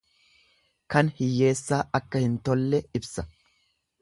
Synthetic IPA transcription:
kɐnhɪjːe̞ːsːaːɐkːɐhɪnt̪ɔlːɛɪbsɐ

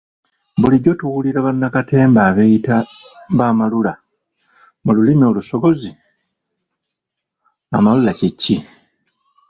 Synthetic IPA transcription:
buliɟo̞tuwuliɾaβanːakate̞ːmbaːβejita | mbaːmalula | mululimo̞luso̞ɡo̞zi | amalulacicːi

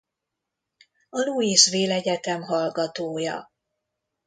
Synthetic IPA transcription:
ɒluiːʃʋeːlɛɟɛt̪ɛmɦɒlɡɒt̪oːjɒ̰

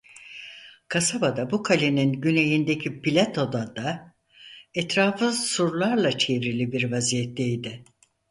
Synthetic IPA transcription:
kʰasabad̪abukʰalʲeninɟyne̞jind̪ecʰipilʲat̪ʰo̞d̪ad̪a | ɛt̪ɾaːfɯsuɾlˠaɾlˠat͡ʃʰevɾilʲibiɾvazijɛt̪lʲejd̪ɪ

